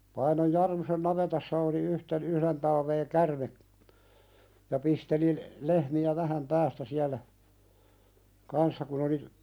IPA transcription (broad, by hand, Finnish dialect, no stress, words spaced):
pɑinoj jɑrmusen nɑʋetɑsːɑ oli yhten yhɾen tɑlʋeː kærme jɑ pisteli lehmiæ ʋæhæm pæːstæ siælæ kɑnsːɑ kun oli